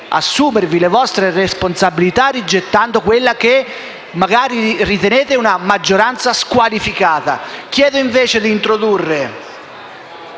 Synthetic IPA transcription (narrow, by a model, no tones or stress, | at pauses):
a̰sːuːmeɾvilevɔst̪ɾeresponsabilit̪arid͡ʒːet̪ːand̪okwelːak̟e | maɡaːɾirit̪eneːt̪ɪunamad͡ʒːoɾant̪saskwalifikaːt̪a̰k̟jɛːd̪oiɱveːt͡ʃed̪iːnt̪ɾod̪urːe